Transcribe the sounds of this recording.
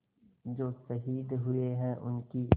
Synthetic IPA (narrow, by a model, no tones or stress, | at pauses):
d͡ʒoːsɐɦiːd̪ɦʊeɦɛ̃ʔʊnki